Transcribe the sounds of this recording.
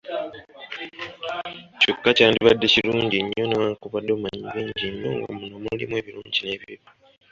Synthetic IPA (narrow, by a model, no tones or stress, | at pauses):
cokːacaːndiβadːe̞ciluːɲɟiɲːo̞newakuβadːo̞ːmaɲiβeːɲɟiɲːo̞̰ŋɡo̰muno̞mulimwe̞ːβilṵːɲɟine̞βiiβi